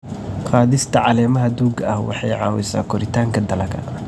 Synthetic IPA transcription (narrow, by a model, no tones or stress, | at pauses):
qɑːðɪst̪ʰɐʕɑlɛːmɐɦɐd̪uːɡɐɐhwʔɑ̰ħɑjʕɑ̰ːwɛ̰sa̰ːkʰɔɾɪt̪ʰaːŋkʰɐd̪ɐlɐkʰɐ̰